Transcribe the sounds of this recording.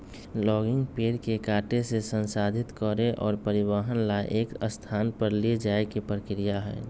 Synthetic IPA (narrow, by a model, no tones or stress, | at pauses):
lɔːɡɪ̃ŋɡpeːɾkekaːʈesesə̃nsaːd̪ʱɪt̪kəɾeʔɔːɾpəɾɪʋəɦənlaʔeːkəst̪ʰaːnpəɾlied͡ʒaːekipɾəkɾijaɦɛ̰ː